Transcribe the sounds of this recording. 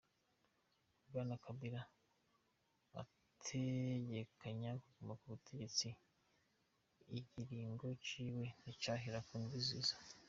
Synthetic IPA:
ubɡaːnakʰabiɾa | a̰ | tʰeɟe̞kʰaɲakuɡumakuβutʰe̞ɟe̞t͡si | iɟiɾiːŋɡo̞t͡ʃiːwe̞nit͡ʃaɦiɾakuːndiziːzḁ

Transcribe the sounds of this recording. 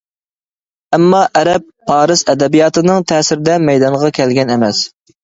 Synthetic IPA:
ɛmːɑʔɛɾɛpʰːɑːɾɨsɛd̪ɛbijɑːt̪ɨnɨŋt̪ʰɛːsɪɾɪd̪ɛmɛjd̪ɑnʁɑkʲʰɛlɡʲɛnɛmɛs

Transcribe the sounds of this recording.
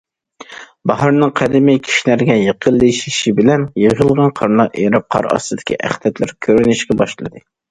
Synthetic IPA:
bɑɦɑɾnɨŋqʰæd̪ɪmɛkʲʰi̥ʃnæɾɡʲɛjeqʰəlˠːeʃiʃibɪlɛnjeʁəlˠʁɑnqʰɑɾnɑʔeɾɑp̚qʰɑ̰ɾɑ̰sɨd̪ɪ̥kʲʰḭʔæ̰χd̪ɛt̪læɾkʲʰøɾynɪʃɡʲɛbɑʃlˠɨd̪ɨ

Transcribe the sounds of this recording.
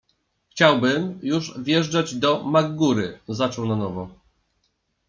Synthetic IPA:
xt͡ɕawbɘmjuʐvʲjɛʐd͡ʐad͡ʑd̪ɔmaɡːuɾɘzat͡ʂɔwnanɔvɔ

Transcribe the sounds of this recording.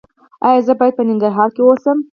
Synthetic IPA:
ɑjɑzəbɑjad̪̚pənɪŋɡaɾɦɑɾkewosəm

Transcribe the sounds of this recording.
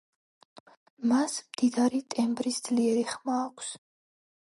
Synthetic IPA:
masmd̪̥id̪aɾit̪ʼɛmbɾisd̪z̥liɛɾiχmaːkʷʰs

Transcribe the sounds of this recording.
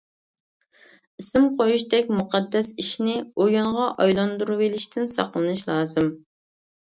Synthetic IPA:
isɪmqʰojuʃd̪ɛk̚ʲmuqʰɑd̪ːɛsiʃnɪojuɴʁɑʔɑjlˠɑnd̪uɾuwelɪʃt̪ʰɪnsɑ̰qlˠɨnɨʃlˠɑːzɨm

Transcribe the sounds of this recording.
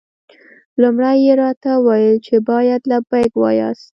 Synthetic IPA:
lumɽajeɾɑt̪awajəlt͡ʃebɑjad̪labajɡwɑ̰jɑ̰st̪

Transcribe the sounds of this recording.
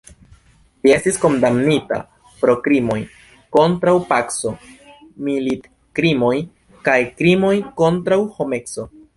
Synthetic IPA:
lie̞stisko̞ndamnita̰ | pɾo̞kɾimo̞j | ko̞ntɾawpakso̞ | milit | kɾimo̞j | kajkɾimo̞jko̞ntɾawho̞me̞kso̞

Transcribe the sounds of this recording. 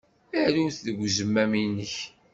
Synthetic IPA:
æʕɾunθðəɡʷzəmːæminəç

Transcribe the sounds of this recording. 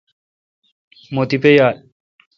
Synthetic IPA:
mot̪ipejaːl

